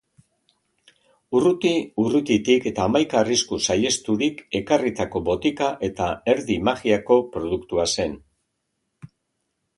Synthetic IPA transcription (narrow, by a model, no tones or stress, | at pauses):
urut̪iurut̪it̪ike̞t̪aːmajkaːriskusaje̞st̪uɾike̞karit̪ako̞bo̞t̪ikaʔe̞t̪ae̞ɾðimaɣiako̞pɾo̞ðukt̪uase̞n